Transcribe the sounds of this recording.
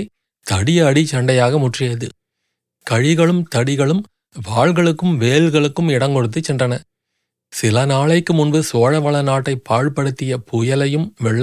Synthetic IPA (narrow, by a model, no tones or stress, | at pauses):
ɪ | t̪ɐɽɪjɐːɽit͡ʃːɐɳɖɐjaːɣɐmʊʈrɪjɐðɯ | kɐɻɪɣɐɭɯmt̪ɐɽɪɣɐɭɯm | ʋaːɻɣɐɭɯkːɯmʋeːlɣɐɭɯkːɯmɪɽɐŋkɔɽɯt̪ːɯt͡ʃːɛndrɐnɐ | sɪlɐnaːɭɐɪkːɯmʊnbɯsoːɻɐʋɐɭɐnaːʈːɐɪpːaːɻpɐɽɯt̪ːɪjɐpʊjɐlɐjɯmʋɛɭː